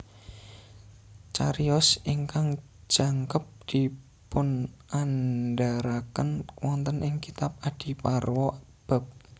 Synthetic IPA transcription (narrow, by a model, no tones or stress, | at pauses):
t͡ʃaɾiɔsiŋkaŋ | d͡ʒ̥a̤ŋkəp̚d̪̥i̤ | pʊnanɖaɾakənwɔnt̪ənʔɪŋkit̪ap̚ad̥i̤parwɔ | b̥a̤p̚